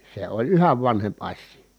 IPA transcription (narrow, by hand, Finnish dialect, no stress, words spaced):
se olʲ yhæʋ ʋɑnhemp ɑsˑiː